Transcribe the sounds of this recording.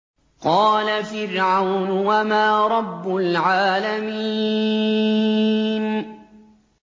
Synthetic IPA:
qɑːlafɪɾʕawnwamaːɾˤɑbːʊlʕaːlamiː | n

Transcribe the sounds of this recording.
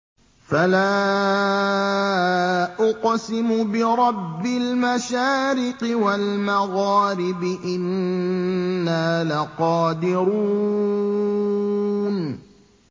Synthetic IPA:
falaː | ʔʊqsɪmʊbɪɾˤɑbːɪlmaʃaːɾɪqɪwalmaɣɑːɾɪbɪʔɪnː | aːlaqɑːd̪ɪɾu | n

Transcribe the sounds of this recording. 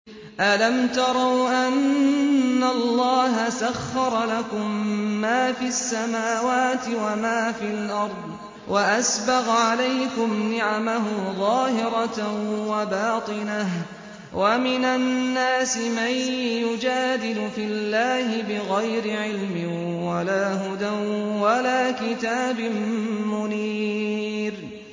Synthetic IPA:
ʔalamt̪ɑɾˤɑwʔanː | alːɑːɦasaxːɑɾˤɑlakʊmːaːfiasːamaːwaːt̪ɪwamaːfilʔɑɾˤd̪ˤ | wʔaʔasbɑɣʕalajkʊmnɪʕamaɦʊðˤɑːhɪɾˤɑwabaːt̪ˤɨnah | wʔamɪnanːaːsɪmajjʊd͡ʒaːd̪ɪd̪ʊfɪlːaːhɪbɪɣajɾɪʕɪlmɪn | walaːɦʊd̪awalaːkɪt̪aːbɪmmʊniː | ɾ

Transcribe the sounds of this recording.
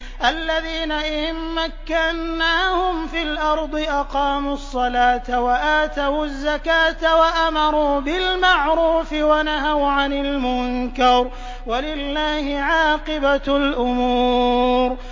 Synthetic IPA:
ʔalːaðiːnaʔɪmːakːanːaːhʊmfilʔɑɾˤd̪ˤɨʔɑqɑːmusˤːɑlaːt̪awaʔaːt̪awazːakaːt̪awaʔamɑɾˤuːbɪlmaʕɾuːfɪwanaɦawʕanɪlmʊnkɑɾ | walɪlːaːhɪʕɑːqɨbalʔʊmuːɾ

